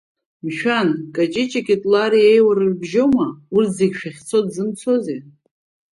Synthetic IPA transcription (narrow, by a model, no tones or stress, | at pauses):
mʃᶣankʼat͡ʃʼɪt͡ʃʼakʲʼitʼlaɾiejwaɾɨrbʒomaurtʰzeɡʲʃᶣaχʲt͡sʰo̞dzɨnt͡sʰo̞ze